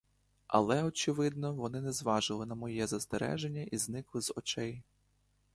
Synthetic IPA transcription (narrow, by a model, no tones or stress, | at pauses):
ɐ̰lˠɛɔt͡ʃɪʋɪd̪nɔʋɔnɪnɛzʋɑʒɪlˠɪnɐmɔjɛzɐst̪eɾɛ̰ʒenʲːɐʔiznɪklˠɪzɔ̰t͡ʃɛj